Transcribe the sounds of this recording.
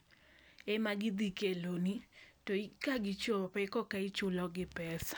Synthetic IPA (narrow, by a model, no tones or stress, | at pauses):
emaɡɪd̪ikelonitoikaɡɪt͡ʃopɛkɔkait͡ʃʊlɔɡɪpɛsḁ